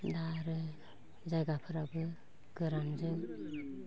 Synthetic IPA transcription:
daɾɯ | zajɡapʰɯɾabɯ | ɡ̥ɯɾand͡ʒɯŋ

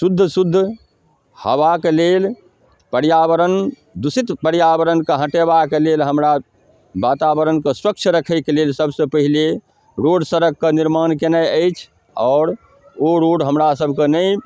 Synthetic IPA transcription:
sud̪ʱːəsud̪ʱː | həʋakelel | pəɾjabəɾən | d̪usit̪pəɾjabəɾənkeɦə̃ʈebakelelɦəmɾa | bat̪abəɾənkesɾək̚t͡ʃʰɾəkʰəɪkelelsəbsəpəɦile | ɾoɖsəɾəkːeniɾmankenajəjt͡ʃʰ | ɔːɾ | oɾoɖɦəmɾasəbʱkenəj

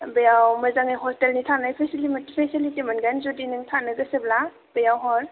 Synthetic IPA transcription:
bejawwmɐzaŋajɦɔstelnitʰanajpʰesilimatipʰesilitimanɡanzodinɯŋtʰanɯɡɐsebla | b̥ejawɦɔɾ

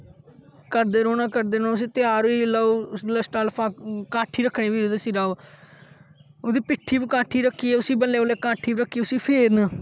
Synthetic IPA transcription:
kəɾd̪eːɾoːnaːkəɾd̪eːɾoːnaʊs̬ĩːt̪ɪjaːɾiːlaːoːləsʈaːlpʰãːkãːʈʰːiːɾəkʰːɽẽːʋiːɾod̪esiːɾaː | od̪iːpɪʈʰːiːbkãːʈʰːiːɾəkʰːiːɛʊsĩːbəlːeːoːleːkãːʈʰiːbɾəkʰːiːʊsiːpʰeːɾna

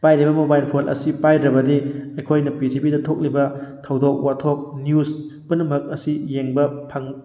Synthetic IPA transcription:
pajɾibɐmobajlpʰolʔɐ̰sipajɾɐbɐdiɐjkʰojnɐpitʰipidɐtʰok̚libɐtʰɐwdok̚watʰok̚njuspunɐmɐk̚ɐsijeŋbɐpʰɐŋ

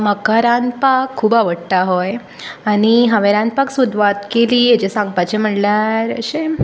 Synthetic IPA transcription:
məkaɾanpakʰːuːbaʋəɽt̪aɦoj | aɽ̃iɦãʋeɾãn̚paksud̪ʱʋat̪keliːɦet͡ɕesãŋɡ̚pat͡ɕem̤əʈljaɾə̰ɕe

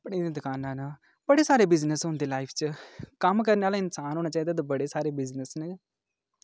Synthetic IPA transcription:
əpɽ̃ẽːd̪ẽːd̪əkaːnãːna | bəɽeːsaːɾeːbɪznəsɦõːnd̪eːlaːɪpʰt͡ʃkəmkəɾneːaːlaːɪnsaːnɦoːnaːt͡ʃaːiːd̪aːd̪abəɽeːsaːɾeːbɪznəsne

